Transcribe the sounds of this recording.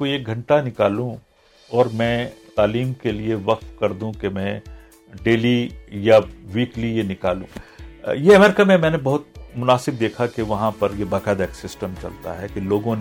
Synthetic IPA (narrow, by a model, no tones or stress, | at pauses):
koeːk̚ɡʱɐ̃ɳʈanɪkaːlũ | ɔːɾmɛ̃ːt̪aːliːmkelieʋɐq̚t̪kɐɾd̪ũkemɛ̃ | ɖeːlijaʋiːklijenɪkaːlṵ̃ːjeɐmɛːɾɪkamẽmɛ̃ːnebɐɦʊt̪mʊnaːsɪb̚d̪eːkʰakeʋɐɦãpɐɾjebaːqɛːd̪ɛksɪsʈəmt͡ʃɐ̰lt̪a̰ɦɛkiloːɡõn